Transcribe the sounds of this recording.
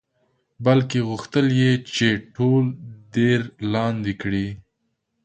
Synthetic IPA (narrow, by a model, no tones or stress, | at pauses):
balkeɣʊxt̪əljet͡ʃeʈʰolɖeɾlɑnd̪ikɽi